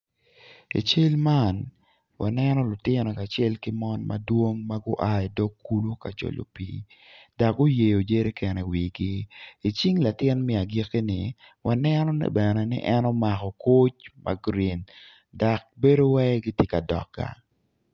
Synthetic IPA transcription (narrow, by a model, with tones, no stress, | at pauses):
ḭ˨t͡ʃe˦lma˦n | wa˨nɛ˦nɔ˦lʊ˨tɪ˦nɔ˨ka˨t͡ʃɛ˦lkɪ˦mɔ˦nma̰˦dwo˦ŋma˦ɡʊ˦ʔa˦i˨do˦kːu˦lu˦ka˨t͡ʃo̰˨lo̰˨pḭ˦ | d̥a˨k̚ɡʊ˦je˨jo˨d͡ʒe˦ɾe˦kʰɛ˨nɛ˨wi˨ɡɪ˦i˨t͡ʃi˦ŋla˨tɪ˦nmɛ˦a˨ɡe˦ke˦nɪ˨ | wʔa˨nɛnɔ˦nɛ̰˨bɛnɛ˨nɪ̰˦ʔɛnɔ˦ma˨kɔ˨ko˦t͡ʃmʔa̰˦ɡɾi˨n | da˨k̚be˦do˦wɛ˦ɡɪ˦tjɪ˦ka˨dɔ̰˨k̚ɡa̰˨